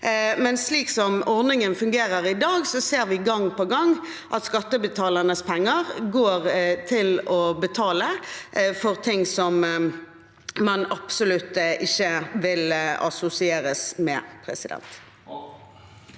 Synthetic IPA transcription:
mɛnsliːksɔmɔʁd̪nɪŋənfʉŋɡeːɾəʁɪd̪ɑːɡsɔseːʁʋɪɡɑŋːpɔɡɑŋ | ʔɑt̪skɑt̪ːəbət̪ʰɑːlɑnəspʰɛŋːəʁɡoːʁt̪ʰɪlɔbət̪ʰɑːləfɔʁt̪ʰɪŋsɔm | mɑnɑpsʊlʉt̪ːɪçːəʋɪlɑ̰sʊsɪeːɾəsmɛ̰pʰɾɛ̰sɪd̪ɛ̰nt̪

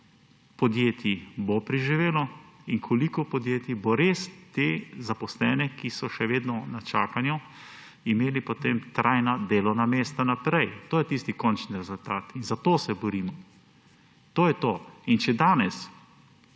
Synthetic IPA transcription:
pɔd̪jeːt̪jibopɾiʒiʋeːlɔiŋkʰolikɔpɔd̪jeːt̪iboɾeːst̪ezapɔslɛːnɛkisɔʃɛʋeːd̪nɔnat͡ʃa̰ːkanju | imeːlipot̪emt̪ɾʔajnad̪eːlɔwnameːst̪anapɾɛjt̪oːjɛt̪ist̪ikɔnt͡ʃniɾɛzʊlt̪aːt̪inzat̪oːsɛbɔɾiːmɔ | t̪oːjɛt̪oːint͡ʃɛd̪aːnɛs

